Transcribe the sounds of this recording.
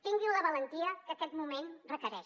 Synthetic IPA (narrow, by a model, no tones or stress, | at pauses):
t̪iŋɡiwləβələnt̪iəkəkɛt̪mumenrəkəɾɛʃ